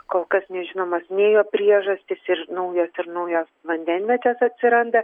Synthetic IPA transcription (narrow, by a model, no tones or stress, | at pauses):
koːlˠkɐsnʲɛʒʲɪnoːmɐsnʲeːjoːpʲɾʲiɛʒɐsʲt̪ʲɪsɪɾnɐʊjoːsɪɾnɐʊjoːsʋɐnʲd̪ʲɛnʲʋʲɛtʲɛsɐt̪ʲsʲɪɾɐnd̪ɐ